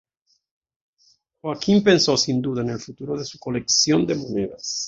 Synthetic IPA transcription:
xwakʰimpensosind̪uðaenelfut̪uɾoðesukoleksjond̪emoneðas

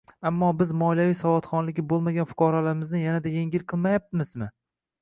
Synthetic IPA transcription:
amːɒbɪzmɒljavijsɒvɒt̪χɒnlɪɡʲɪbolˠmaɡʲanfʊ̥qʰɑɾalaɾɪmɪznɪjanad̪ajeŋɡʲɪlqʰɨlˠmajap̚t̪ɪmɪzmɪ

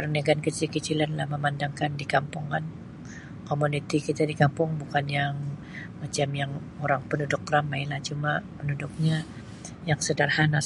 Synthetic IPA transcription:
pərnaɡankət͡ʃilkət͡ʃilanlahməmandaŋkandikampʊŋkan | komunit̪ikit̪adikampʊŋbukanjaŋ | mat͡ʃamjaŋ | oɾaŋpənudʊkːramajlaht͡ʃumapənudʊk̚ɲa | jaŋsədarhanas

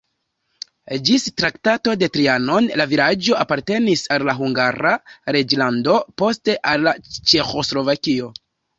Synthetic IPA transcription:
d͡ʒistɾaktato̞de̞tɾiano̞nlavilad͡ʒo̞ʔapaɾte̞nisalːaɦuŋɡaɾaɾe̞d͡ʒlando̞po̞ste̞ʔalːat͡ʃe̞xo̞slo̞vakio̞

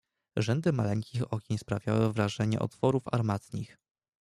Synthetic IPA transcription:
ʐɛnd̪ɘmalɛŋkʲʰixɔkʲeɲspɾavʲjawɘvɾaʐɛɲɛ̰ʔɔ̰t̪fɔɾufa̰ɾmat̪ɲix

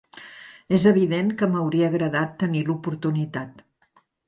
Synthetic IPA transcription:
ezəβ̞iðenkəməwɾiəːɣɾəðat̪ːənilupuɾt̪unit̪at̪

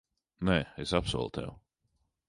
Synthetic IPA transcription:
nɛːesapsṵɔlˠt̪ʰɛ̰w

